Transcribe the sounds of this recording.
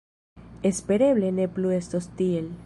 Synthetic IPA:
espeɾeβlenepluest̪ost̪iel

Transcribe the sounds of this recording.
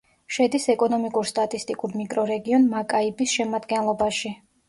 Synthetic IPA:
ʃɛd̪isɛkʼɔnɔmikʼuɾst̪ʼat̪ʼist̪ʼikʼuɾmikʼɾɔɾɛɡiɔnmakʼaibisʃɛmad̪ɡɛnlˠɔbaʃi

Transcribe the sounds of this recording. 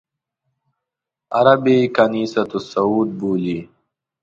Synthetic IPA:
ɐɾɐbikɐniːsɐt̪usɐuːd̪̚buːli

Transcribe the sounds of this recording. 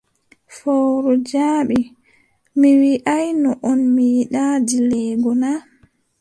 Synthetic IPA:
fowɾɔd͡ʒaːɓi | miwiʔajnɔʔɔnmijiɗaːd͡ʒilɛːɡɔna

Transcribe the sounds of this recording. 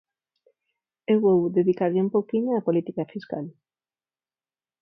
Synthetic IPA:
ewβowðeðikaɾʎɪumpowkiɲoapolit̪ikafiska̰l

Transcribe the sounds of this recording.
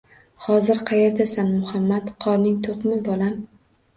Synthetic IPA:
hɒzɪɾqʰɑjeɾt̪asanmʊhamːat̪qʰɒɾnɪŋt̪ʰoqmɪbɒlam

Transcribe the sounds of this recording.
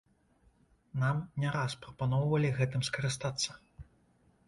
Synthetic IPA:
namnʲaɾaspɾɐpanɔwvɐlʲiɣɛt̪ɨmskɐɾɨst̪at̪sːɐ̥

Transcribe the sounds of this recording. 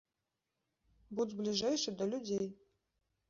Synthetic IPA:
budʲblʲiʐejʂɨd̪ɐlʲudʲej

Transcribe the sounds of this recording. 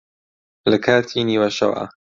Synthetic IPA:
lɐkʰaːt̪ʰiniːwɐʃɐ̰wa̰

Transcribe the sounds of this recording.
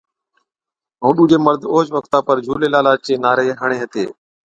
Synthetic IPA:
ɦũːɗuːd͡ʒeːməɾd̪ʱoːd͡ʒʋəkt̪aːpəɾd͡ʒʱuːleːlaːlaːt͡ʃeːnaːɾeːɦəɳeːɦət̪ḛː

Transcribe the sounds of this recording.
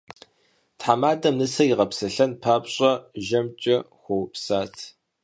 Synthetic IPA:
tħamaːdɐmnɨsɐjiʁɐpsɐɬɐnpʰaːpɕʼɐʒɐmt͡ʃʼɐxʷowpsaːtʰ

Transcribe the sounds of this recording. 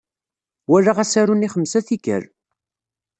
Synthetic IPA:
wæɾːaʁæsæɾuniχəmsæθikə̰ɾ

